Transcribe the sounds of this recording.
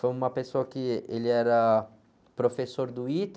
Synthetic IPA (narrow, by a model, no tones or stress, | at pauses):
foumɐpesoɐkɪeliɛɾa | pɾofesːoɾd̪uit̪